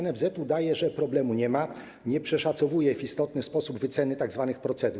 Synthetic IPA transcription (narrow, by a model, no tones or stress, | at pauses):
nɛvzɛt̪ud̪ajɛʐɛpɾɔblɛmuɲɛma | ɲɛpʂɛʂat̪sɔvujɛvist̪ɔt̪nɘspɔsubvɘt̪sɛnɘt̪aɡzvanɘxpɾɔt̪sɛd̪u